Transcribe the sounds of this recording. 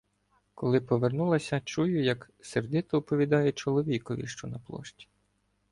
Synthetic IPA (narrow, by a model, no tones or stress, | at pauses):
kɔlˠɪpɔʋernulˠɐsʲɐt͡ʃujʊjɐk | serd̪ɪt̪ɔːpɔʋʲid̪ɑjɛt͡ʃɔlˠɔʋʲikɔʋʲḭʃt͡ʃɔnɐplˠɔ̰ʃtʲi̥